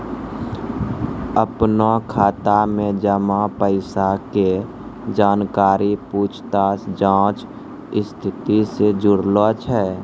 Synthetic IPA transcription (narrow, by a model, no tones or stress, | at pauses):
əpnakʰaːt̪amẽd͡ʒəmãpəɪsake | d͡ʒaːnkaːɾipuːt͡ʃʰt̪aːsd͡ʒãːt͡ʃ | ɪst̪ʰɪt̪ised͡ʒʊɽlɔt͡ʃʰɦɛː